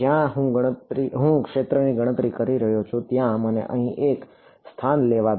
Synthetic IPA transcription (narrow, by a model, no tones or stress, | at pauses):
jãɦũɡəɽ̃ət̪ɾiɦũkʃet̪ɾəniɡəɽ̃ət̪ɾikəɾiɾəɦjot͡ʃʰũt̪jãmənḛʔə̰ɦĩʔek | st̪ʰanleʋa